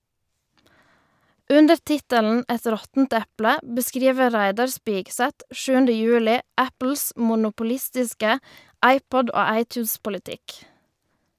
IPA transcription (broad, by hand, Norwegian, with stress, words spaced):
ˈʉndəɾ ˈtɪtəln̩ ˈɛt ˈɾɔtn̩t ˈɛplə bəˈskɾiːʋə ˈʁæɪdɑʁ ˈspɪɡsɛt ˈʃʉːəndə ˈjʉːlɪ ˈæpl̩s mʊnʊpʊˈlɪstɪskə ˈɑɪˌpɔd ˈoː ˈɑɪˌtjʉːspʊlɪˌtɪk